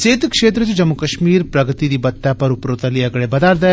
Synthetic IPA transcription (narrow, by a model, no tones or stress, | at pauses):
seːt̪kʃeːt̪ɾət͡ʃed͡ʒɐmːukɐʃmiːɾpɾɐɡət̪id̪ibɐt̪ːapɐɾʊpɾoːt̪ɐliɐɡɭebɐd̪aːɾd̪ɐ